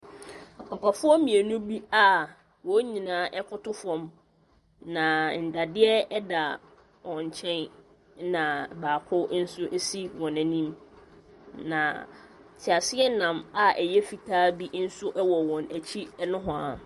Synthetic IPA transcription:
a˨pʰa˨pʰa˨fʊ˦ɔ˦mĩ˨e˨nʊ̃˦bi˦a˦˨ | wɔ˦ɲĩ˨nãː˦ʔɛ˦kʰʊ˦tʰʊ˦fɔ̃˦m | nã˨n̩˨da˨dɪ˦ɛ˦ɛ˦da˨ | wɔ̃˨ɲ˨t͡ɕʰɛ̃˦n | nã˨baː˨kʰʊ˦n̩˦sʊ˦ʔe˦si˦wɔ̃˨nã˨nĩ˦m | nã˨tʰɪ˨a˨sɪ˦ɛ˦nã˨ma˦ʔɛ˨jɛ˦fi˨tʰaː˦bi˦n̩˦sʊ˦ʔɛ˦wɔ˨wɔ̃˨næ˨t͡ɕʰi˦nʊ̃˦ɦʊ̃˨a˨

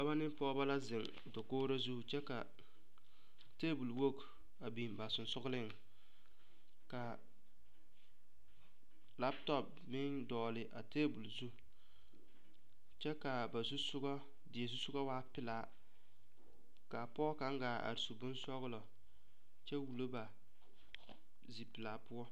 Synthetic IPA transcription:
ba˦ba˦nɪ˦m˦pɔ˦ba˦la˦zɪ˨ŋ | do˨koː˦ɾa˦zu˦˨t͡ʃɛ˦ka˨ | teː˦bu˨lwo˦k | a˨bi˨mba˨sʊ˨nsʊ˦ɣʊ˦lɪ˦ŋ˨ | ka˨ | la˦ptɔ˦˨p̚ | mɪ˦ndɔː˨lɪ˨ʔa˨teː˦bu˨lzu˦˨ | t͡ʃɛ˦ka˨ba˨zu˦sʊ˦ɡɔ˦ | dɪ˨ɛ˨zu˦sʊ˦ɡɔ˦waː˦pɪ˦˨la˦ | ka˨pɔ˦ka˦ŋ˦ɡaː˨a̰˨ɾi˨su˨bʊ˦n˦sɔ˦ɣʊ˦lɔ˨ | t͡ʃɛ˦wu˨lo˦ba˨ | zi˨pɪ˨la˨pʊ˦ɔ˦

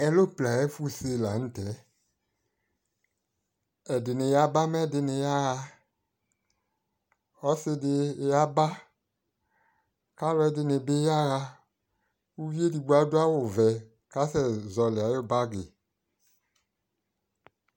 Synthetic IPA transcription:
ɛ˨lo˦˨pla˨ɛ˦fu˦˨se˧˨la˨n̩˦tɛ˨˦ | ɛ˨de˨ne˨ja˦ba˦mɛ˦˨dɪ˧ne˨ja˦ɣa˧ | ɔ˦sɪ˧dɪ˧˨ja˦ba˦ | ka˦lɔ˦ɛ˨de˨ne˨be˦ja˦ɣa˧ | u˦vi˦e˦di˨ɡ͡ba˦do˦a˦wo˨vɛ˨ | ka˦sɛ˨zɔ˨le˨a˨˦jo˦˨ba˦ɡe˨

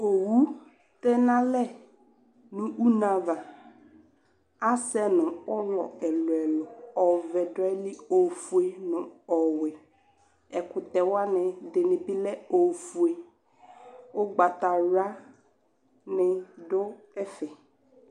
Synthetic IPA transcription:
o˨wu˦ | tɛ˦na˦lɛ˦˨ | nʊ̃˨u˦na˨va˨ | a˦sɛ˦nʊ̃˨ɔ˦lɔ̰˨ɛ˨lʊ˨ɛ˨lʊ˨ɔ˨vɛ˨dʊ˦ɛ˦lɪ˦o˨fu˨e˨nʊ̃˨ɔ˨wɪ˨ | ɛ˨kʊ˨tɛ˨wa˦nɪ˨dɪ˨nɪ˨bɪ˦lɛ˦o˨fu˨e˨ | ʊ˦ɡ͡ba˨ta˨ɾa˦ | nɪ˨dʊ˦ | ɛ˦fɛ˨

